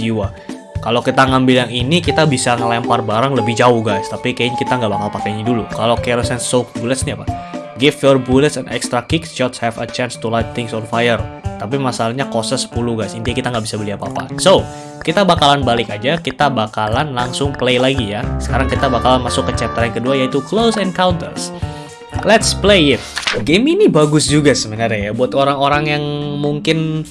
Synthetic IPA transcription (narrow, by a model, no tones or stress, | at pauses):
d͡ʒiwa | kalowkit̪aŋambɪljaŋinikit̪abisaŋəlɛmparbaɾaŋləbɪhd͡ʒaʊhɡajst̪apikankit̪aŋɡabakalpakaɲidulukalokɛɾosɛnsok̚bulət̪̚sniapaɡɪfjɔrbulət̪sɛ̃nɛ̰kst̪ɾakɪksʃɔt̪shɛfət͡ʃanst̪ulajk̚t̪ɪŋsɔnfajərt̪ap̬imasalahɲakosəsə̥puluɡajsint̪iakit̪aŋɡabisabəliapapa̰so | kit̪abakalanbalɪkad͡ʒakit̪abakalanlaŋsʊŋplejlaɡijasə̥kaɾaŋkit̪abakalanmasʊkːət͡ʃɛt̪əɾankəduajait̪uklowsɛnkawnt̪ə̰rs | lɛt̪splejɪt̪̚ɡeminibaɡʊsd͡ʒuɡasəmənaɾɛjabuat̪oɾaŋoɾaŋjaŋmuŋkɪn